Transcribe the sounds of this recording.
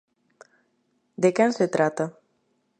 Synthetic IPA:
d̪ekanset̪ɾat̪ə

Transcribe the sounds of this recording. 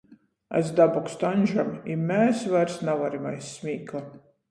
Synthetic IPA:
a̰zd̪abɔkst̪anʲʒamimʲɛːsvaɾsnavaɾimajsːmʲiːklˠa

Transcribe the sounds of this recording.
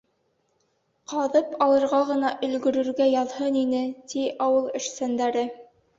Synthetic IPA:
qɑðɤpɑlˠɤ̆ɾʁɑʁɤ̆nɑʔɵ̆lɡɵ̆ɾɵ̆ɾɡæjɑðhɤninɘt̪ʰiʔɑwɤlˠɘ̆ʃsænd̪æɾɘ

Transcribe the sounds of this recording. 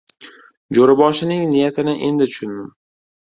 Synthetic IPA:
d͡ʒoɾɪbɒʃɪnɪŋnɪjat̪ʰɪnɪʔe̞nd̪ɪt̪ʰʊ̥ʃʊnmɪm

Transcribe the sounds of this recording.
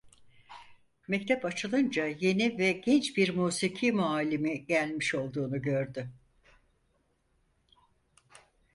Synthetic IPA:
mɛc̚t̪ʰɛpat͡ʃʰɯlˠɯnd͡ʒaje̞nivɛɟɛnt͡ʃbiɾmuːsicʰimuaːlʲːimiɟælʲmiʃo̞lˠd̪uːnuɟø̞ɾd̪ʏ

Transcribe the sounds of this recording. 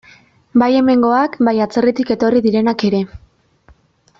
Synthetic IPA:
baje̞me̞ŋɡo̞akbajat͡se̞rit̪ike̞t̪o̞riðiɾe̞nake̞ɾe̞

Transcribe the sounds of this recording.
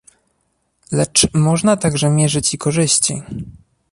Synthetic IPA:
lɛt͡ʂmɔʐnat̪aɡʐɛmʲjɛʐɘt͡ɕikɔʐɘɕt͡ɕḭ

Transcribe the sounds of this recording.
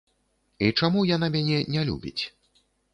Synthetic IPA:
it͡ʂamujanamʲanʲɛnʲɛlʲṵbʲit͡sʲ

